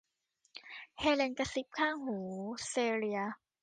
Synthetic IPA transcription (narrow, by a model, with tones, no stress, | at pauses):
hɛː˧lɛː˧nka˧si˦p̚kʰaː˥˩ŋhuː˩˦seː˧ɾi˧ɐ˧